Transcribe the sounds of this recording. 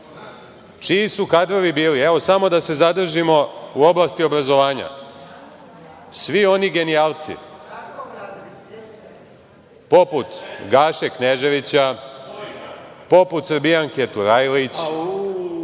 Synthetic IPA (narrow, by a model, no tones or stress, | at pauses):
t͡ʃiisukad̪ɾo̞ʋibiːlieʋo̞samo̞d̪ase̞zad̪r̩ʒimo̞uo̞blast̪io̞bɾazo̞ʋaːɲa̰ | sʋio̞niɡe̞niaːlˠt̪sḭ | po̞put̪ɡaːʃekneʒe̞ʋit͡ɕa | po̞put̪srɾbijaŋket̪uɾajlit͡ɕ